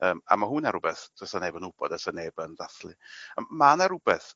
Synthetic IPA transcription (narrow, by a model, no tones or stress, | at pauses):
əːma̰maɦunaɾubɛθdɔsaneːbənʊb̥ɔ̰dasaneːbəndaθlˠiəmanaɾʊbɛθ